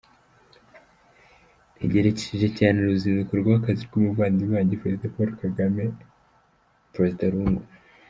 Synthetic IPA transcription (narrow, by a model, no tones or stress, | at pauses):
niɟe̞ɾece̥ʃiʒe̞caːneɾuzinzekuɾɡaakaziɾɡumuvaːndiβaːɲɟepɾezidapoɾokaɡame | pɾezidaɾuːŋɡu